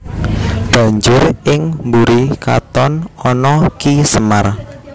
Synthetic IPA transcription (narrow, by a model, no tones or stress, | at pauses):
b̥a̤ɲd͡ʒʊrɪŋmbuɾika̰t̪ɔnɔnɔkisəmar